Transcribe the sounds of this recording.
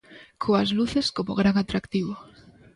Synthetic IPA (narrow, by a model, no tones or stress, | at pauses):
kʰoazluθeskomoɣɾaŋat̪ɾakt̪iβo